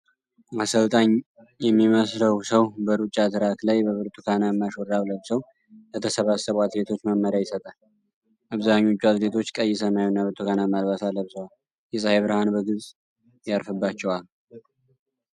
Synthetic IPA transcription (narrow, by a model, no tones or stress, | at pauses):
asəlt̪ʼaɲ | jɛmːiməsləwsəwbəɾut͡ʃʼːat̪ʰɨɾat̪lajbəβɨɾt̪ʰʼukʰanajɛmːaʃoɾawləβsəw | lət̪ʰəsəβasːəβwat̪ɾet̪ʰo̞t͡ʃːməmːəɾajɪsət̪ʼa | ʔaβzaɲːo̞t͡ʃːuazɾet̪ʰo̞t͡ʃːkʼəjːɪsəmajunːaβɨɾt̪ʰʼukanajmalβasaləβsəwal | jɛsʼaheβɾəhanbəɡɨzʼ | jaɾfɨbːat͡ʃːɛwal